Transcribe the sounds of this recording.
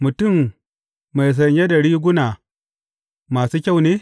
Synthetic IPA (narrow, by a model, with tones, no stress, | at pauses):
mu˨tu˦˨mː | a˨js̬ɐ˨ɲ˦ja˦dɐ˨ɽiː˦ɡʷʊ˦na˨ | maː˨su˦kʲa˦˨wneː˦